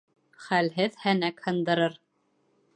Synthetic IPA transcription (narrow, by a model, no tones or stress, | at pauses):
χælɦɘðhænækhɤ̆nd̪ɤ̆ɾɤɾ